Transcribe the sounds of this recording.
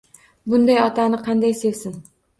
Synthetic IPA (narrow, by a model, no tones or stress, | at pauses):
bʊnd̪ajɒt̪ʰanɪqʰɑnd̪ajsevsɪn